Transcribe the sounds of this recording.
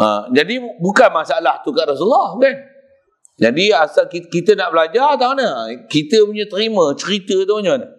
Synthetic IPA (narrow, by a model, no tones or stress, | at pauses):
ʔa̰d͡ʒadibukanmasaalaht̪ukaʔrasulahkan | d͡ʒadiasalkikit̪ənaʔbəlad͡ʒat̪aanəkit̪əpuɲat̪əɾimə̃t͡ʃəɾit̪ət̪aaɲaanə